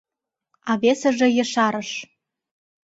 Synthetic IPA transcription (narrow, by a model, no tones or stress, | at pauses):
ɑβesə̆ʒĕjɤ̆ʃɑɾɤ̆ʃ